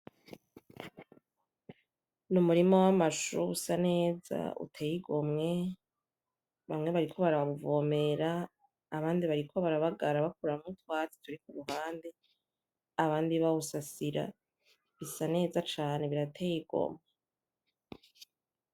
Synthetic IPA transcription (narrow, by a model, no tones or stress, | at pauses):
numuɾimowamaʃusane̞ːza̰ṵtʰe̞ːjiɡo̞mŋe̞ | βamŋe̞βaɾikʰo̞βaɾaββuvo̞ːme̞ɾaː | βaːndiβaɾikʰo̞βaɾaβaɡaɾaβak̚uɾammutwaːt͡si̥tuɾikuβuɦaːnde̞ | aβaːndiβausasiɾa̰ | βisane̞ːzat͡ʃaːne̞βiɾatʰejiɡ̥o̞̰mŋe